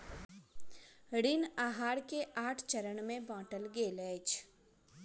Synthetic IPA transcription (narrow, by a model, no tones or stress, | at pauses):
ɽɪnaːɦaːɽkeʔaːʈʰt͡ʃəɾəɳmẽbɔ̃ːʈəlɡeːlɛːt͡ʃ